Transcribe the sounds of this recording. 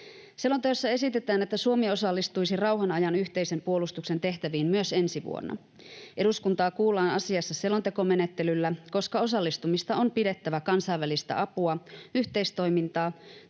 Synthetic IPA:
se̞lo̞nt̪eosːɑe̞sit̪e̞t̪æːnet̪ːæsuomio̞sɑlːist̪ujsirɑuwɦɑnɑjɑnyçt̪eise̞mpuo̞lust̪ukse̞nt̪e̞ht̪æʋiːmmyøse̞nsiʋṵo̰nːɑ̰ | ʔe̞duskunt̪ɑːkuːlːˑɑːnɑsiɑsːɑse̞lo̞nt̪e̞ko̞me̞ne̞t̪ːe̞lylːæko̞skɑo̞sɑlːist̪umist̪ɑo̞mpide̞t̪ːæʋækɑnsɑjʋælist̪æ̰ʔɑpuɑyht̪e̞ist̪o̞jmint̪ɑː

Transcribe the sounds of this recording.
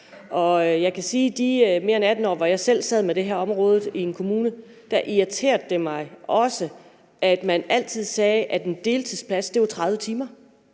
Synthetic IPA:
ʔɒ̽jɑ̈ɪkʰæsiːd̥ime̝ɐenæd̥n̩ɒ̰ːʋɒjɑ̈ɪsel̰sɛð̰ˠmed̥e̝ɦæɐɒ̽mʁɔ̽ːð̩ˠie̝nkʰo̝muːnə | d̥æʔiit͡sʰe̝̰ːɐ̰d̥̚d̥e̝mɑ̈ɪʔɒ̽sə | ʔæd̥mænæl̰t͡sʰið̞̰ˠsɛːʔæd̥end̥e̝ːlt͡sʰið̰ˠspʰlæsd̥e̝ʋɑt͡sʰʁɑ̈ð̞ˠʋət͡sʰiːmɐ

